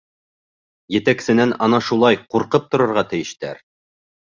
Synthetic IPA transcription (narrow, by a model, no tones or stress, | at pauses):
jɘ̆t̪æksɘ̆nænʔɑnɑʃulˠɑjquɾqɤp̚t̪ŏɾɤ̆ɾʁɑt̪ɘ̆jɘ̆ʃt̪æ̰ɾ